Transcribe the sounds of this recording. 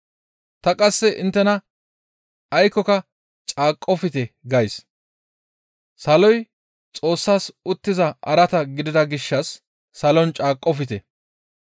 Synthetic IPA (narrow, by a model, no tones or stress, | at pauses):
t̪ɐkʼɐsːɛʔɪnt̪ːɛnɐ | ɐjkɔkɐ | t͡ʃʼaːkʼːɔfɪt̪ɛɡɐjs | sɐlɔj | t͡sʼo̞ːsːaːsʊt̪ːɪzɐʔɐɾɐt̪ɐɡɪd̪ɪd̪ɐɡɪʃːɐsː | ɐlɔnt͡ʃʼaːkʼːɔfɪt̪ɛ